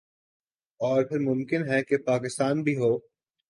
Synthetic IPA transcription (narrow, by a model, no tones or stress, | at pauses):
ɔːɾpʰɪɾmʊ̃mkɪnɦɛkepaːkɪst̪aːnbʱiɦoː